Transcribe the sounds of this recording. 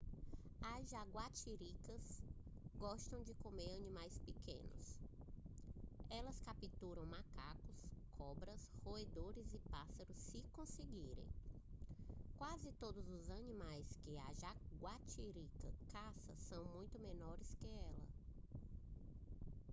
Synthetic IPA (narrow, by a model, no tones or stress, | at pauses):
ɐʒaɡwat͡ʃiɾikɐsɡɔʃt̪ɐ̃w̃d͡ʒɪkomeɾɐnĩmajspekḛ̃nʊ̰s | ɛlɐskapit̪uɾɐ̃w̃makakʊskʰɔbɾɐshoed̪oɾɪzɪpasɐɾʊsːɪkõseɡiɾḛ̃j̃ | kwazɪt̪od̪ʊzʊzɐnĩmajskɪaʒaɡwat͡ʃiɾikɐkasɐ̰sɐ̃w̃mũj̃t̪ʊmenɔɾɪskɪɛlɐ̰